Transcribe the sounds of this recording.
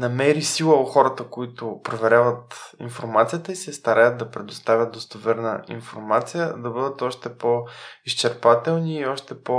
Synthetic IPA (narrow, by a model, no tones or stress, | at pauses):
nɐmɛɾisilˠəoxɔɾət̪əkoit̪ʊpɾovɛɾʲavət̪infoɾmat̪sijət̪əisiɛst̪ɐɾajəd̪̚d̪ɐpɾɛd̪ost̪avʲjəd̪̚d̪ost̪ɐvɛɾnə̰ḭnfoɾmat̪sijəd̪ɐbɤd̪ət̪ɔʃt̪ɛpɔiʃt͡ʃɛɾpat̪ɛlˠniːɔʃt̪ɛpɔ